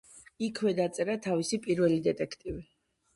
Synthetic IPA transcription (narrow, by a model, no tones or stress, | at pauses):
ikʰwɛd̪at̪sʼɛɾat̪ʰavisipʼiɾvɛlid̪ɛt̪ʼɛkʰt̪ʼivi